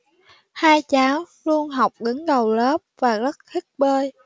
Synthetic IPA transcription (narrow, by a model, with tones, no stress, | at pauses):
haː˧jt͡ɕaː˨˦w | lu˧ənɦa˨˩wk͡p̚ŋɨ˨˦ŋɗə˨˩wləː˦˥p̚vaː˨˩zə˦˥t̚t̪ʰï˦˥k̚ɓəː˧j